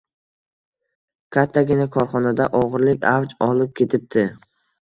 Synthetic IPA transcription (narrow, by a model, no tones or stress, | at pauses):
kʲʰat̪ʰːaɡʲɪnakʰɒɾχɒnad̪aʔɒʁɨɾlɪkʲavd͡ʒɒlˠɪp̚kʲʰe̞t̪ʰɪp̚t̪ʰɪ